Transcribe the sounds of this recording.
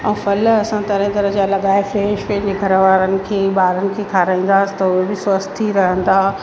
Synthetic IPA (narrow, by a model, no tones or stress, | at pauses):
ɛ̃ːfɐlɐsãt̪ɐɾɦẽt̪ɐɾəɦd͡ʑaːlɐɠaːɪfɾeːʃkeːd͡ʑeɡʱɐɾʋaːɾənɪ̆kʰeːɓaːɾənɪ̆kʰeːkʰaːɾãĩːnd̪aːsɪ̥t̪ɐʊɦebɪswɐst̪t̪ʰiɾɐɦə̃nd̪aː